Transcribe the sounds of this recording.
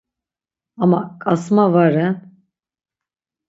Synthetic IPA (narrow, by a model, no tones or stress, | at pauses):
amakʼasmavaɾɛn